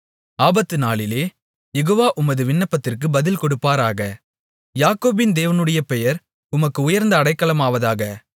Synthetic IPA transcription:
aːbɐt̪ːɯnaːɭɪleː | jɛɣoːʋaːʔʊmɐðɯʋɪɳːɐpːɐt̪ːɪrkɯbɐðɪlkɔɽɯpːaːɾaːɣɐ | jaːkoːbɪnd̪eːʋɐnɯɽɐjɐpɛjɐɾ | ʊmɐkːɯʊjɐɾnd̪ɐːɽɐɪkːɐɭɐmaːʋɐðaːɣɐ

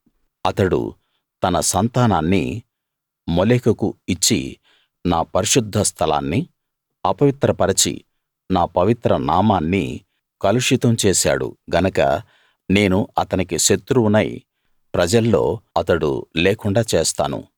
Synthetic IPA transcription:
ɐt̪ɐɽṵ | t̪ɐnɐsɐnt̪aːnaːnːḭ | moleːkɐkuit͡ʃːḭ | naːpɐɾiʂud̪ʱːɐst̪ʰɐla̰ːnːi | ɐpɐʋit̪ɾɐpɐɾɐt͡ʃḭ | naːpɐʋit̪ɾɐnaːmaːnːḭ | kɐluʂit̪ɐmt͡ʃeːʃa̰ːɽṵɡɐnɐkɐ̰ | ne̞ːnuɐt̪ɐnikiʃet̪ːɾunɐj | pɾɐd͡ʒɐlːo̞̰ːɐt̪ɐɽṵleːkuɳɖaːt͡ʃeːst̪a̰ːnṵ

